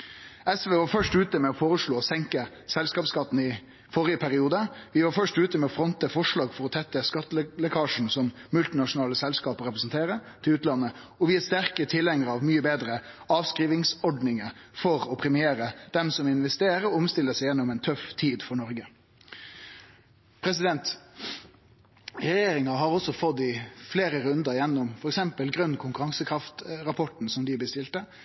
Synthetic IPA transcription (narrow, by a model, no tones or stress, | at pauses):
ɛsʋeːʋɑːɾfœʂʈʉːt̪əmɛɔfoːɾəʂɭoːsɛŋkə | sɛlskɑːpskɑt̪ːn̩ɪ | fɔɾɪəpʰæɾɪuːd̪əʋɪʋɑːɾfœʂʈʉːt̪əmɛɔfɾɔnt̪əfɔʂɭɑːɡfɔɾɔt̪ʰɛt̪ːəskɑt̪ːlɛkʰɑːʂn̩sɔmːʉlt̪ɪnɑʂʊnɑːləsɛlskɑːpɾɛpɾɛsnt̪ʰeːɾət̪ʰɪlʉːt̪lɑnːə | ɔʋɪæst̪æɾkət̪ʰɪlːɛŋəɾɑʋmyːəbeːd̪ɾə | ɑːʋskɾiːʋɪŋsɔɖnɪŋəfɔɾɔpʰɾɛmɪeːɾəd̪̥ɛmsɔmɪnʋɛst̪eːɾəɔʊmst̪ɪləsɛɪjɛnːɔmɛnt̪ʰœft̪ʰiːd̪fɔɳɔɾɡə | pʰɾɛs̬ɪd̪ɛnt̪ | ɾɛjeːɾɪŋɑɦɑɾɔsɔfɔd̪ːɪfleːɾəɾʉnd̪əɾjɛnːɔmfɔɾɛksɛmpəlɡɾʉnːkʰʊŋkʉɾɑŋsəkʰɾɑft̪ɾɑpʰɔʈn̩sɔmd̪ɪb̪əst̪ɪlt̪ə